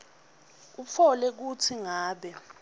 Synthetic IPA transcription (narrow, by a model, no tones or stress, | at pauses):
up̪fʰɔlɛk̬utʰiŋaːɓɛ